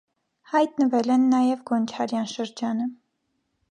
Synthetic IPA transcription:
hɑjt̪nəvɛlɛnːɑjɛvɡɔnt͡ʃʰɑɾjɑnʃəɾd͡ʒɑnə

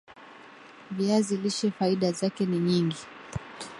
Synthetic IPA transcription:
viaziliʃɛfaiɗazakɛniɲiŋɡi

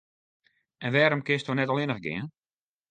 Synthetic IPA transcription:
ɛnʋɛːɾəmkɪstonɛtɔlˠɪnəxɡɪ̰ən

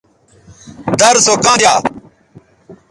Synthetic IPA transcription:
d̪əɾsoːkãːdjaː

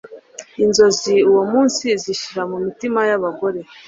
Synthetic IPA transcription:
inzo̞ziuwomuːnsiziʃiɾamumitimajaβaɡo̞ɾe̞

